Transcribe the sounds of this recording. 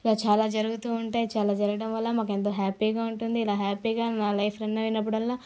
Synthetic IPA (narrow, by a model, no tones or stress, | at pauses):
ilaːt͡ʃaːlaːd͡ʒɐɾuɡut̪uːuɳʈaːjit͡ʃaːlaːd͡ʒɐɾɡɐɽɐmʋɐlːɐmaːkent̪oːɦaːpiːɡaːuɳʈund̪iːlaːɦaːpiːɡaːnaːlɐjpʰɾɐnːɐʋinɐp̬ːuɽɐlːaː